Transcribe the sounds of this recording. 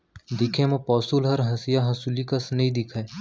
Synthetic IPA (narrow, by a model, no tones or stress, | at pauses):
d̪ɪkʰemɐ̃pɔːsulɦɐɾɦɐsijaɦɐsulikasnəĩd̪ɪkʰae